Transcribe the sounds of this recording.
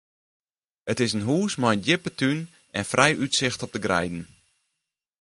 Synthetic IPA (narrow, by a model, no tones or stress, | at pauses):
ətɪsənɦuːsmajəndɪpətʰyn | ɛnfrɛjʔytsɪxtɔp̚dəɡrɛ̰jdn̩